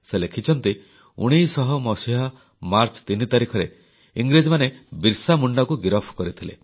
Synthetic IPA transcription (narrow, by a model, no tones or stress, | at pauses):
selekʰit͡ʃʰɔnt̪i | ṵɽ̃ijsɔɦɔmɔsiɦa | maɾt͡ʃɔ̥t̪init̪aɾikʰɔɾe | iŋɡɾid͡ʒɔmanebiɾsamuɳɖɔkuɡiɾɔpʰkɔɾit̪ʰilḛ